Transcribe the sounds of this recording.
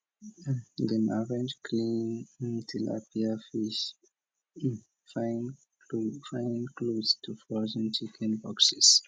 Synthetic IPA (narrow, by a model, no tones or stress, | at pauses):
dɛ̃naɹɛ̃nd͡ʒkʰlĩnntʰila̰piəfiʃ | faɪn | fãɪ̃nkludstʰufɔzə̃nt͡ʃikʰɛ̃nbɔksis